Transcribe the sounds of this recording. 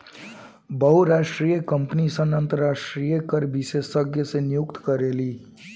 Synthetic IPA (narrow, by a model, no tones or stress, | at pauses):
bəɦuɾasʈɾijəkəmpnisənənt̪əɾasʈɾijəkəɾbisessəɡʱjəsenijukt̪kəɾeli